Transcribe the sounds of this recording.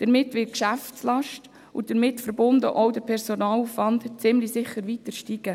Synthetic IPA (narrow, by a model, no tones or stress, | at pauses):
d̪̥əɾmɪtʋɪt̚kʃæftslɑʃt | ʊd̥əɾmɪtfəɾbʊndəʔɔʊdəɾpʰɛɾsonɑːlufvɑndt͡sɪmlisɪχːəɾʋitəɾʃtiɡ̥ə